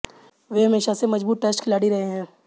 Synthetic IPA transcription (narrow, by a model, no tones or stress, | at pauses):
ʋeɦɐmeːʃasemɐd͡ʒbuːʈ̚ʈeːsʈkʰɪlaːɽiɾɐɦeɦɛ̃ː